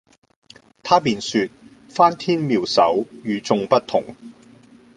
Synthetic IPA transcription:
t̪ʰaː˥piː˨˧nsyː˧t̚ | faː˥nt̪ʰiː˥nmiː˨˩wsɐ˨˥wjyː˨˧t͡sʊ˧ŋpɐ˥t̚t̪ʰʊ˨˩ŋ

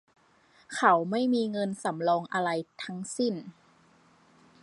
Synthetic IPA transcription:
kʰa˩˦wma˥˩jmiː˧ŋɤ˧nsa˩˦mlɔː˧ŋʔa˧ɾa˧jt̪ʰa˦˥ŋsi˥˩n

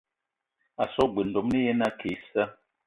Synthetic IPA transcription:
a˨sɔ˦ɡ͡bə˨ndɔ˨mne˦jɛ˦na˦kʰe˨˦sə˦

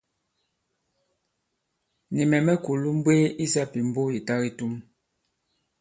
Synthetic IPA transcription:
ni˨mɛ˨mɛ˦ku˨lu˦m̩˦bwe˦i˦sa˦pi˨m̩˦bo˦ji˨ta˦ɣi˦tu˦m

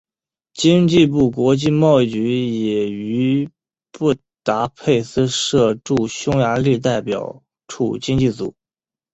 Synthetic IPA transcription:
t͡ɕi˥ŋt͡ɕi˥˧p̬u˥˩k̬wɔ˧˥t͡ɕi˥˧mɑ˥˧ʊi˥˩t͡ɕy˧˥jɛ˨˩y˧˥ | pu˥˩ | t̪a˧˥pʰe˥˧ɪsɹ̩˥ʂɤ˥˧ʈ͡ʂu˥˩ɕjʊ˥ŋja˧˥li˥˧t̪a˥˩ɪpjɑ̰˨˩ʊ | ʈ͡ʂʰu˥˩t͡ɕi˥ŋt͡ɕi˥˩t͡su˨˩˦

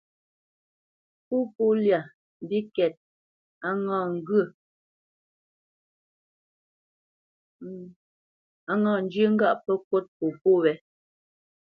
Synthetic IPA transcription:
pu˦pu˦lja˨ | m˨bi˦kɛ˨t̚ | a˦ŋa˦˨ŋ̩˦ɡə˦˨ | a˦ŋa˦˨n̩˦d͡ʒjə˦ŋ̩˦ɡa˦˨ʔpə˦kwo˦t̚po˨po˦˨wɛ˨˦

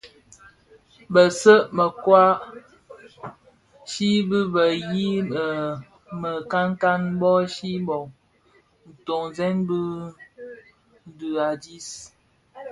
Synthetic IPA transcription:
bə˨sə˦ʔmə˨kwa˦ | ʃi˦bɨ˦bə˨ji˦ə˨ | mə˨ka˦ŋ˦ka˦nbɔ˦ʃi˦bɔ˨ŋ | n̩˨to˨ŋzɛ˦nbə˦ | n̩˦dʉ˨a˨di˦s

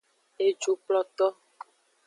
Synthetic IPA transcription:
e˨d͡ʒu˨plɔ˨t̪ɔ˦

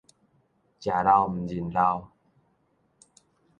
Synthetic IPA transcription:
t͡ɕja˨˩la˧wm̩˨˩d͡ʑi˨˩nla˧w

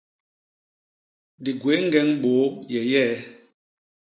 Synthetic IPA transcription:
di˨ɡwe˨˦ŋ˦ɡɛ˦ŋbo˨˦jɛ˨jɛ˦

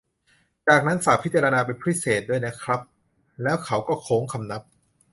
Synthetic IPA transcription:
t͡ɕaː˨˩k̚na˦˥nsaː˨˦pʰi˦˥t̪̚t͡ɕa˧ɾa˧naː˧p̬e˧npʰɾi˦˥seː˨˩t̪̚du˥˩əjna˦˥kʰɾa˦˥p̚ | lɛː˦˥wkʰa˦˥wkɔː˥˩kʰoː˦˥ŋkʰa˧mna˦˥p̚

